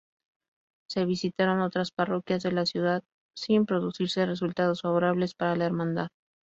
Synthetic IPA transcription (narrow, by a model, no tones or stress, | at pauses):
se̞β̞isit̪aɾo̞no̞t̪ɾasparo̞kjazðe̞lasjuðað | simpɾo̞ðusiɾse̞re̞sult̪að̞o̞sfaβo̞ɾaβle̞spaɾalaeɾmãnd̪að